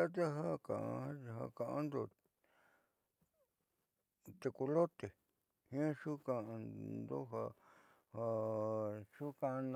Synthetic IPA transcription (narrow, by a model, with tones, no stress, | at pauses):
a˦t̪̬e˦ɦa˦kã̰˨ʔa˧˦˧ɦa̰˧kã˨ʔã˦nd̪o˧˨ | t̪e˧ku˧lo˦t̪e˨ | hĩ˦ã˦ʂu˦kã˧nd̪o̰˦ɦa˧ | ha˧ | ʂu˦kã˧n˧